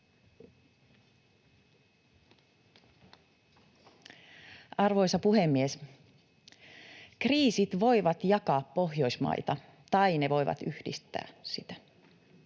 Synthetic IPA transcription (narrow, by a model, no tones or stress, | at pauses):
ɑrʋojsɑpuɦemːies | kriːsit̪ʋo̞jʋɑt̪jɑkɑːppo̞ɦjo̞ismɑ̰jt̪ɑ | t̪ɑjneʋo̞jʋɑ̰t̪yhdḭst̪æ̰ːsit̪æ̥